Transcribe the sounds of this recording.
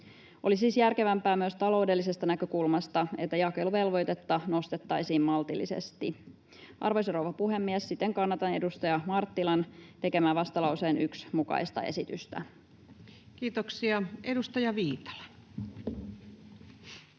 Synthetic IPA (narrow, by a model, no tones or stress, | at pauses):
ʔo̞̰lisiːsjærke̞ʋæmpæːmyøst̪ɑlo̞wde̞lːise̞st̪ɑnækø̞kulmɑst̪ɑe̞̰t̪ːæjɑkeluʋe̞lʋo̞jt̪e̞t̪ːɑno̞st̪et̪ːɑjsiːmmɑlt̪ilːisḛst̪i | ʔɑ̰rʋojsrowʋɑpuhe̞mːiɛsːit̪ːeŋkɑnːɑt̪ɑne̞dust̪ɑjɑmɑrt̪ːilɑnt̪e̞kemæːʋɑst̪ɑlɑwse̞ːnyksmukɑ̰ist̪ɑ̰e̞̰sit̪yst̪æ̰ | kiːt̪oksiɑedust̪ɑjɑʋiːt̪ɑ̥lɑ̥